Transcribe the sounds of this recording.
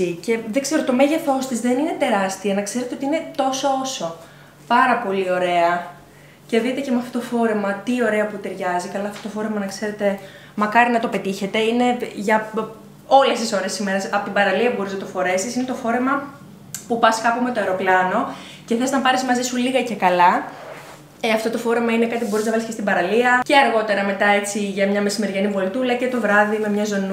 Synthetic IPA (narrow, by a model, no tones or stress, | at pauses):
ice̞ðe̞kse̞ɾo̞t̪o̞me̞ʝe̞θo̞st̪izðe̞nine̞t̪e̞ɾɐst̪iɐnɐkse̞ɾet̪eo̞t̪iine̞t̪o̞soo̞so̞ | pɐɾɐpo̞lio̞ɾe̞ɐ | ce̞ðit̪e̞cemeɐft̪ot̪ofo̞ɾe̞mɐt̪io̞ɾe̞ɐput̪e̞ɾʝɐzikɐlɐːft̪ot̪o̞fo̞ɾe̞mɐnɐkse̞ɾe̞t̪e̞ | mɐkɐɾinɐt̪o̞pet̪içe̞t̪e̞ine̞ʝɐ | o̞le̞st̪iso̞ɾe̞sime̞ɾɐsɐpot̪ibɐɾɐliɐpubo̞ɾiznɐt̪ofo̞ɾe̞sisine̞t̪o̞fo̞ɾe̞mɐ | pupɐskɐpume̞t̪oeɾo̞plɐno̞ | ce̞θeznɐpɐɾizmɐzisuliɣɐce̞kɐlɐ | ɐft̪ot̪o̞fo̞ɾe̞mɐinekɐt̪ipubo̞ɾiznɐvɐliscest̪ibɐɾɐliɐce̞ɐɾɣo̞t̪e̞ɾɐme̞t̪ɐe̞t͡siʝɐmɲɐme̞sime̞ɾʝɐnivolt̪ulɐcet̪o̞vɾɐðime̞mɲɐzo̞nu